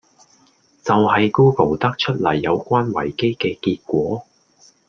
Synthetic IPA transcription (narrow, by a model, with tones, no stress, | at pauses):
t͡sɐ˨whɐ˨jkuː˥po˨˩wt̪ɐ˥k̚t͡ʃʰɵ˥t̚lɐ˨˩jːɐ˨˧wkʷaː˥nwɐ̰˨˩jke˥jkɛː˧kiː˧t̚kʷɔː˨˥